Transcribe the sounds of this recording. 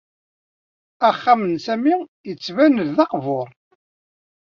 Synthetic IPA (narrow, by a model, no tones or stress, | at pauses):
æχːamənsæmijət͡sːvænəððɑqvʊɾˤ